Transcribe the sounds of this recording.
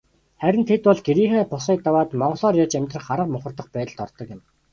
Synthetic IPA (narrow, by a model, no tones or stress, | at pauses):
χæɾʲɪ̆nt̪ʰet̪pɔɮɡeɾiːxæːpʊsiːk̚t̪awaːt̪mɔɴɢɞ̆ɮɔːrjat͡ɕæmʲt̪rə̆χaɾə̆qmʊχə̆rt̪ɞ̆χpæːt̪ɮt̪ɔrt̪ɞ̆kjɪ̆m